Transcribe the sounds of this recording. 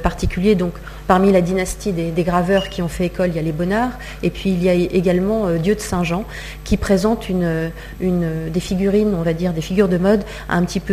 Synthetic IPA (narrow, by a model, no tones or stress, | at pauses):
paʁt̪ikʲyljed̪ɔ̃k | paʁmilad̪inast̪id̪ed̪eɡʁavœʁkʲiɔ̃fɛekɔlijalebɔnaːʁ | epɥiːljaeɡalmɑ̃ød̪jød̪əsɛ̃ʒɑ̃ | kʲipχezɑ̃t̪ynø | ynød̪efiɡʲyʁinɔ̃vad̪iʁd̪efiɡʲyʁd̪əmɔd̪ | ɛ̰̃pət̪ipø